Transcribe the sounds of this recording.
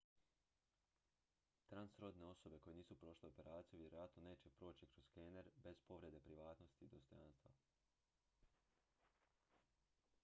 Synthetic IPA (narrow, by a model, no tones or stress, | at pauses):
t̪ɾansɾo̞d̪ne̞o̞so̞be̞ko̞jeniːsupɾo̞ːʃleope̞ɾaːt̪sijuʋje̞ɾo̞jat̪no̞ne̞ːt͡ɕe̞pɾo̞ːt͡ɕikɾo̞zkeneɾbe̞z̥po̞ʋɾed̪e̞pɾiʋaːt̪no̞st̪id̪ost̪ɾaːnst̪ʋa̰